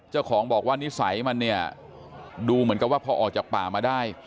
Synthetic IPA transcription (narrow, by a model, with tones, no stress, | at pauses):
t͡ɕa˥˩wkʰɔː˩˦ŋbɔː˨˩k̚waː˥˩ni˦˥sa˩˦jma˧nːi˥˩ɐ | duː˧mɯ˩˦nka˧˩waː˥˩pʰɔː˧ʔɔ̰ː˨˩k̚t͡ɕaː˨˩k̚paː˨˩maː˧daː˥˩j